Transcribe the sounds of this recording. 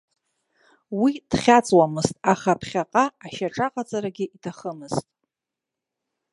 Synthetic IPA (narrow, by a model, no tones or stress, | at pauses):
wid̥χʲat͡sʼwamɨztʼaχapʰχʲaqʼaːʃaʈ͡ʂʼaqʼat͡sʼaɾaɡʲɪitʰaχəmɨztʼ